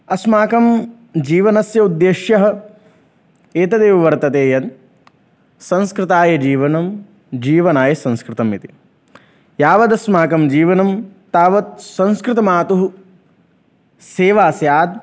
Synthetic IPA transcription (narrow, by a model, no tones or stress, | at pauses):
ɐsmaːkɐm | d͡ʒiːʋɐnɐsjɐud̪jeːʃjɐɦɐ | eːt̪ɐd̪eːʋʋɐɾt̪ɐt̪eːjɐn | sɐ̃nskɾɪt̪aːjɐd͡ʒiːʋɐnɐm | d͡ʒiːʋɐnaːjɐsɐ̃nskɾɪt̪ɐmit̪i̥ | jaːʋɐd̪ɐsmaːkɐmd͡ʒiːʋɐnɐmt̪aːʋɐt̪̚sɐ̃nskɾɪt̪ɐmaːt̪uɦu | seːʋaːsjaːd̪̚